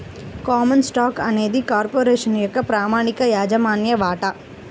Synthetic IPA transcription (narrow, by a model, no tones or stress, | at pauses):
kaːmɐnsʈaːkɐneːd̪ikaːɾpoːɾeːʂɐnjɐkɐpɾaːmaːɳikɐjaːd͡ʒɐmaːnjɐʋaːʈa